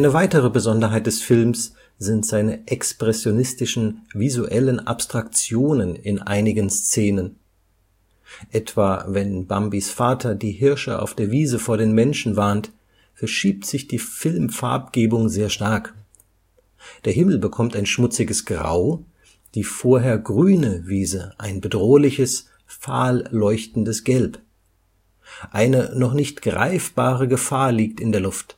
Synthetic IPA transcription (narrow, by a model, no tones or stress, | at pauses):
ʔaɪnəvaɪtəʁ̞əbəzɔndɐɦaɪt̚d̥ɛsfɪlms | z̥ɪntz̥aɪnəʔɛkspʁ̥ɛsjonɪstɪʃn̩vizuʔɛlənʔa̰pstʁ̥akt͡sjoːnənɪnʔa̰ɪnɪɡənst͡seːnən | ʔɛtv̥aːvɛnbambisfaːtʰɐdiːɦɪɐʃəʔa̰ʊfd̥eːɐviːzəfoːɐɾeːnmɛnʃn̩vaɐnt | fɛɐʃiːp̚tz̥ɪçd̥iːfɪlmfa̰ɐp̚ɡ̥eːbʊŋzeːɐʃtaɐk | d̥eːɐɦɪml̩bəkʰɔmtaɪnʃmʊt͡sɪɡəsɡ̥ʁa̰ʊ | d̥iːfoːɐɦeːɐɡʁyːnəviːzəʔaɪnbədʁoːlɪçəs | faːlːɔʏçtn̩dəsɡ̥ɛlp | ʔaɪnənɔχnɪçtɡ̥ʁa̰ɪfb̥aːʁəɡəfaːɐliːk̚tɪndeːɐlʊft